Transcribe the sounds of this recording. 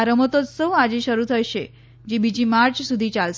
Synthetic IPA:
ɾəmət̪ot͡ssəwad͡ʑiɕəɾut̪ʰəjɕe | d͡ʑibid͡ʑiːmaɾt͡ɕsud̪ʱiːt͡ɕals

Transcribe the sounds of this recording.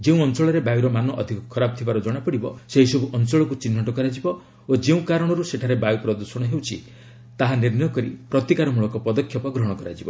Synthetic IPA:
d͡ʒeũɔnt͡ʃɔɭɔɾebajuɾɔmanɔʔɔd̪ʱikɔkʰɔɾab̚t̪ʰibaɾɔd͡ʒɔɽ̃apɔɽibɔ̰seɦisɔbuʔɔnt͡ʃɔɭɔkut͡ʃinːɔʈɔkɔɾad͡ʒibɔ | od͡ʒeũkaɾɔɽ̃ɔɾuseʈʰaɾebajupɾɔd̪uɾsɔɽ̃ɔɦewt͡ʃʰi | t̪aɦaniɾnɔjɔkɔɾḭpɾɔt̪ikaɾɔmuɭɔkɔpɔd̪ɔkʰːjɔpɔɡɾɔɦɽ̃ɔkɔɾa̰d͡ʒibɔ

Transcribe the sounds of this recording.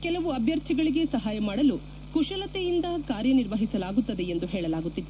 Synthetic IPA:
kɛlɐʋuɐbʱjɐɾt̪ʰiɡɐɭiɡe̞sɐɦaːjɐmaːɽɐlu | kuʂɐlɐt̪ejind̪ɐkaːɾjɐniɾʋɐɦisɐlaːɡut̪ːɐd̪e̞end̪uɦɛːɭɐlaːɡut̪ːid̪e

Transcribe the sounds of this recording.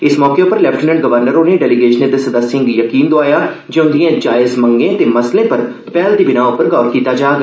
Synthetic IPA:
ɪsmɔːkeʊpəɾlɛːpʰʈənə̃ɳɖɡəʋəɾnəɾoːneːɖɛːliɡeːʃəneːd̪esəd̪əsɪ̃ŋɡjəkiːnd̪oaːjaː | d͡ʒɛʊ̃nd̪ijãːd͡ʒaːɪzməŋɡẽːt̪eːməslẽːpəɾ | pɛːld̪iːbɪnaːʊpəɾkɔːɾkiːt̪aːd͡ʒaːɡ

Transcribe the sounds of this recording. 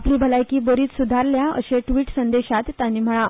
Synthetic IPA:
pliːbʱəlajkiːbəɾiːt̪sud̪ʱaɾljaə̰ɕeʈʋiːʈsənd̪eɕat̪ːjanːiːm̤əɭa

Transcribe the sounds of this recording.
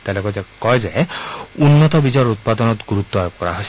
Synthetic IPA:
t̪ɛlɔkɔzɛkɔjzeunːɔt̪ɔbizɔɾut̪̚pad̪ɔnɔt̪ɡuɾut̪ːɔajoɡ̚kɔɾa̰ɦojs

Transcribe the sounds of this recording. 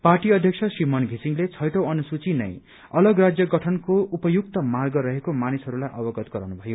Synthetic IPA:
parʈiʌd̪ʱjʌksʰʌsrimʌnɡʱisiŋlet͡sʰʌjʈʌwʌnusut͡sinʌ̰j | ʌlʌɡrad͡zjʌɡʌʈʰʌnkoupʌjukt̪ʌmarɡʌɾʌɦekomanisɦʌɾulajʔʌbʌɡʌt̪ɡʌɾʌwnubʱʌjo

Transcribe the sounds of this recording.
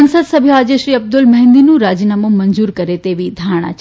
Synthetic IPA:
nsəd̪sɐbʱjaːd͡ʑeʃɾiːɐb̚d̪ʊlmɐɦɪ̃nd̪inũɾaːd͡ʑinaːmũmɐnzuːɾkɐɾet̪eːʋid̪ʱaːɾɽ̃a̰t͡ɕ

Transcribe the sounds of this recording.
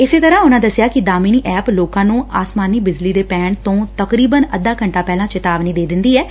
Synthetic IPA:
ɪseːt̪əɾãːʊnãːd̪əsjaːkɪd̪aːmiːniːʔɛːploːkãːnũːaːsmaːniːbɪd͡ʒliːd̪eːpɛːɳt̪õːt̪əkɾiːbənəd̪aːkəɳʈaːpɛːlãːt͡ʃɪt̪aːʋniːd̪eːd̪ɪnd̪iːɛː

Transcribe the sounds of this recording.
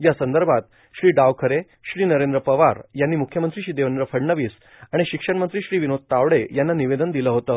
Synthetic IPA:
jasənd̪əɾbʱat̪ | ɕɾiːɖaʋkʰəɾe | ɕɾiːnəɾend̪ɾəpəʋaɾjanːiːmukʰjəmənt̪ɾiːɕiːd̪eʋənɾəfʰəɽɳəʋiːs | aɽ̃iɕikʂəɽmənt̪ɾiːɕɾiːʋinod̪̚t̪aʋɽejanːaniʋed̪ənd̪iləɦot̪əː

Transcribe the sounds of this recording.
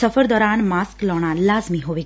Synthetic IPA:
əfəɾd̪ɔːɾanmasklɔɽ̃ãlazmiɦoʋi

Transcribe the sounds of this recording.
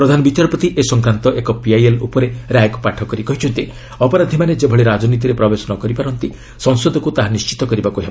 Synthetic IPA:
pɾɔd̪ʱanɔbit͡ʃaɾɔpɔt̪iʔesɔŋkɾant̪ɔʔekɔpiajelṵpɔɾeɾajkupaʈʰɔkɔɾikɔɦit͡ʃʰɔnt̪i | ɔpɔɾad̪ʱimaned͡ʒebʱɔɭeɾad͡ʒɔnit̪iɾepɾɔbesɔnɔkɔɾipaɾɔnt̪i | sɔŋsɔd̪ʱɔkut̪aɦanist͡ʃi̥t̪ɔkɔɾibakuɦeba

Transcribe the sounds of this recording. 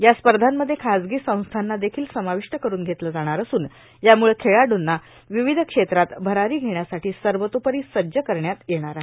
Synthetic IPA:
jaspəɾd̪ʱamːəd̪ʱːjekʰad͡zɡiːsə̃w̃st̪ʰanːad̪ekʰiːlsəmaʋiʂʈəkəɾuːnɡʱet̪ləd͡zaɽ̃aɾəsuːn | jamuɭekʰeɭaɖunːa | ʋiʋid̪ʱəkʂet̪ɾat̪bʱəɾaɾiːɡʱeɳjasaʈiːsəɾʋət̪opəɾiːsəd͡ʑəkəɾɳjat̪jeɽ̃aɾa

